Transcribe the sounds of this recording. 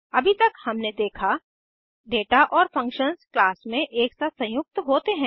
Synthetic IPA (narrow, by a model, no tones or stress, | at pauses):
ɐbʱit̪ɐkhɐmned̪eːkʰa | ɖeːʈaʔɔːɾfɐ̃ŋkʃənsklaːsmẽʔeːksasɐ̃jʊk̚t̪ɦoːt̪eɦɛ̃ː